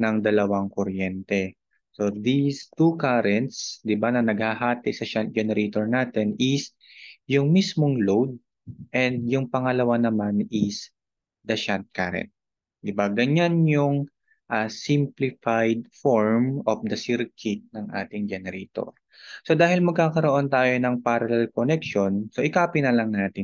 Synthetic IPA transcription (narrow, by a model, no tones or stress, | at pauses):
nɐŋd̪ɐlɐwaŋkoɾjɛnt̪ɛ | so̞d̪ist̪ukaɾɛnt̪sd̪ɪbanɐnɐɡ̚haɦaːt̪ɪsɐʃant̪̚d͡ʒɛnɛɾʔɛt̪oɹnaːt̪ɛnɪs | jʊŋmismoŋlowd̪̚ | ʔɛnd̪̚jʊŋpɐŋɐlɐwanɐmanɪs | d̪ɐʃant̪̚ka̰ɾɛ̰nt̪̚ | d̪ɪbaɡɐɲanjʊŋ | ʔasɪmplɪfajd̪̚foɹmʔofd̪ɐsɪɾkʰɪt̪̚nɐŋʔa̰ːt̪ɪŋd͡ʒɛnɛɾɛːt̪o̰ɹ | so̞d̪aːhɪlmɐɡ̚kaːkɐɾoʔo̞nt̪aːjonɐŋpaɾɐlɛlkonɛk̚ʃo̞nsoʔɪkaːpɪnɐlɐŋnaːt̪ɪn